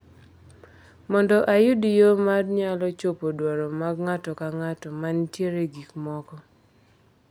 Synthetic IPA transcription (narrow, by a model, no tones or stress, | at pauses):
mɔndɔʔajʊdijomadɲalɔt͡ʃopodwaɾɔmaɡŋatɔkaŋatɔmantjeɾeɡikmɔkɔ